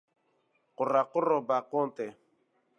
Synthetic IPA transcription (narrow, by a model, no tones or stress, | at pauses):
kʊɾakʊɾɔbakɔntɛ